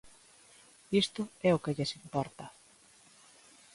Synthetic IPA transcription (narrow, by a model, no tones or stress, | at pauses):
ist̪ʊɛʊkɪʎesimpɔɾt̪ɐ